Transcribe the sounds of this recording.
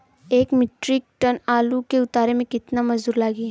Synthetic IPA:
eːkmɪʈɾɪk̚ʈənaːlukeʊt̪aːɾemẽkɪt̪namɐzd̪uːɾlaːɡiɦ

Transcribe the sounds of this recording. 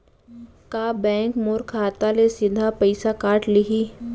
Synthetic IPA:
kaːbɛ̃ːŋkmoːɾkʰaːt̪alesɪd̪ʱapɐɪsakaːʈlɪɦi

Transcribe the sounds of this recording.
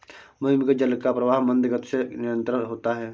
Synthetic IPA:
mʊɦɪmked͡ʒəlkapɾɐʋaːɦmə̃nd̪ɡət̪senɪɾə̃nt̪ɾəɦoːt̪aɦɛː

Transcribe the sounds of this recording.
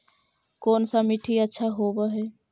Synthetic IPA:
koːnsamiʈʰiətːʃʰaɦoːbaɦɛː

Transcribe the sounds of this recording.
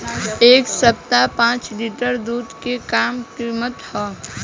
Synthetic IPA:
eːksəp̚t̪apãːt͡ʃliːʈəɾd̪uːd̪kekaːmkimət̪hɔː

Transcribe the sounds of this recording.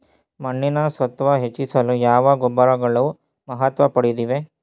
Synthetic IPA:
mɐɳːinɐsʋɐt̪ʋɐɦet͡ʃːisɐlujaːʋɐɡɔbːɐɾɐɡɐɭɐu | mɐɦɐt̪ʋɐpɐɽid̪iʋe

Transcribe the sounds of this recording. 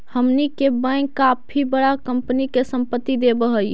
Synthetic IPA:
həmnikebə̃kːapʰibəɽakəmpənikesəmpət̪ːid̪ebəɦəj

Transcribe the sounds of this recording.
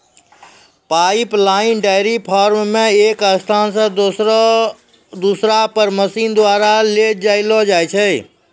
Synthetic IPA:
paiplaːɪnɖaɪɾipʰaːɾmːẽeːkəst̪ʰaːnsã | d̪uːsɾapəɾməsiːnd̪waːɾaled͡ʒaɪlɔd͡ʒaːjt͡ʃʰɛ

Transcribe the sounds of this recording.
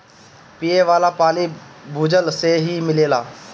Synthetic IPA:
piːeʋaːlaːpaːliːbʱuːd͡ʒəlseːɦiːmɪleːlaː

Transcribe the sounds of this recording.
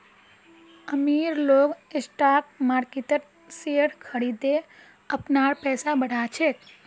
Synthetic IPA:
əmiːɾloːɡesʈaːk̚maːɾkit̪əʈ | sijəɽkʰəɽid̪e | əpnaːɽpɛːsabəɽ̤at͡ʃʰet̪

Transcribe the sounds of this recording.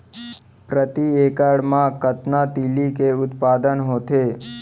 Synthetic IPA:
pɾət̪ieːkəɽmãkət̪nat̪iːlikeʊt̪paːd̪ənɦoːt̪eː

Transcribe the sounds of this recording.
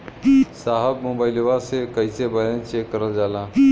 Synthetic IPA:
saːɦəbmõːbaːɪlʋasekəisebəɾə̃nt͡ʃeːkːəɾəld͡ʒaːlãː

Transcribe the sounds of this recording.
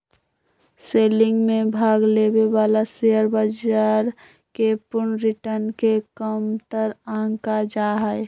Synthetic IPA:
selɪŋɡmẽbʱaːɡlebebalaseəɾbəd͡ʒaɾ | kepʊɳɾiʈəɾnkekəmt̪əɾəə̃ŋkad͡ʒaɦəj

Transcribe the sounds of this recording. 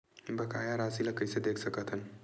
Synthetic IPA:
bəkajaɾasiləkəjsed̪ekʰsəkət̪ʰɦən

